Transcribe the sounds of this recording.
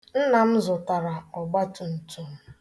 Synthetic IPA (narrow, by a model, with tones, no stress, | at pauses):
n̩˦na˨m̩˦zʊ˨ta˨ɾa˨ɔ˨ɡ͡ba˦tʊ˨n̩˨tu˨m̩˨